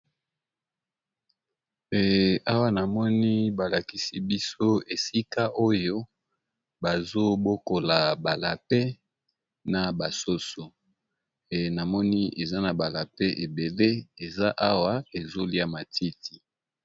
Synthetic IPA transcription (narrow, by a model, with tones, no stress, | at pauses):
ɛ˨a˦wa˦na˨mɔ˦ni˦ba˨la˨ki˦si˦bi˦so˦e˨si˦ka˦ʔo˦jo˦ | ba˨zo˦bo˦ko˨la˨ba˨la˨pɛ˦ | na˨ba˨so˦so˨ | na˨mɔ˦ni˦e˨za˦na˨ba˨la˨pe˦ʔe˨be˨le˦e˨za˦ʔa˦wa˦e˨zo˦li˦a˦ma˨tʰi˦ti˨